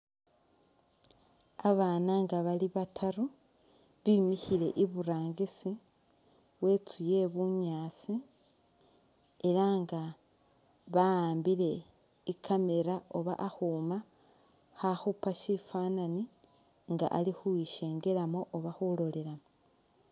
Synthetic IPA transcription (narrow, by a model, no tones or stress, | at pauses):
aβaːnaŋɡaβaliβatʰaɾu | βimihile̞ʔiβuɾaːŋɡisi | we̞t͡suje̞βuɲaːt͡si | e̞ɾaŋɡa | βaaːmbiɾe̞ | ikʰame̞ɾao̞βa̰ʔaxuma | xaxupaʃifaːnani | ŋɡa̰ʔa̰lixuwiʃe̞ːŋɡe̞ɾamo̞ʔːβaxulo̞le̞ɾamo